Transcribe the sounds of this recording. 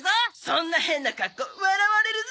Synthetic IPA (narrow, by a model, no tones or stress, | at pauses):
zasõnːahẽ̞nːakakːoɯ̟aɾaβaɾeɾɯ̟z